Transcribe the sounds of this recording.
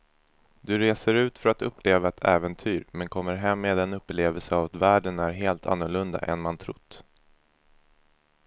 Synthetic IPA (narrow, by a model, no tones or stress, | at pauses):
d̪ɵɾeːsəɾʉ̟ːt̪fœɾat̪ɵpːleːvaɛt̪ʰɛːvɛnt̪ʰyːɾmɛnkʰɔmːəɾɦɛmːeːd̪ɛnɵpːleːvəlsəavat̪væːɖənæɾɦeːlt̪ʰa̰nːʊɭɵnd̪a̰ʔɛ̰nmant̪ʰɾʊt̪ː